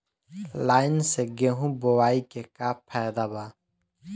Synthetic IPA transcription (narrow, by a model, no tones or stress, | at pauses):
laːjnseɡeɦũbowaːikekaːpʰɛːd̪aba